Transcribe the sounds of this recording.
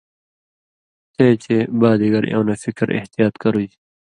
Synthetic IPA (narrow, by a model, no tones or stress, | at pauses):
t̪ʰet͡ɕʰebaːd̪iɡɐɾḛ̃ːnɐfikɾʔḛht̪ijaːt̪kɐɾud͡ʑi